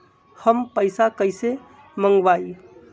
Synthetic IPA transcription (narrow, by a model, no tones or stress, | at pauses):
həmpəjsakəjse | məŋɡʋai